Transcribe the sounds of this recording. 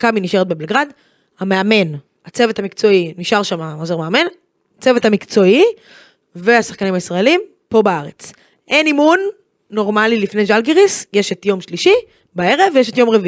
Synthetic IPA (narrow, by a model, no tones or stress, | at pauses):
kaminiʃe̞ʁet̪̚be̞belɡʁad̪ | hame̞ame̞n | at͡sevet̪hamikt͡so̞iniʃaʁʃamamozoʁmeame̞n | t͡se̞vet̪amikt͡so̞i | veasḁχkanimaisʁaelim | po̞baaʁe̞t͡s | ʔe̞nimunː | o̞ʁmalilifneʒalɡiʁisje̞ʃetjo̞mʃliʃi | bae̞ʁevjeʃ̬e̞t̪jo̞mʁevii